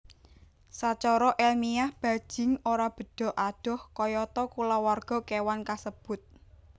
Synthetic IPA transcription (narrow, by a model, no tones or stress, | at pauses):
sat͡ʃɔɾɔʔɛlmijahb̥a̤d̥ʒ̥ɪ̤ŋoɾab̥ə̤ɖ̥ɔ̤ʔaɖ̥ɔ̤hkɔjɔt̪ɔkulawarɡ̥ɔ̤kewankasəb̥ʊ̤t̪̚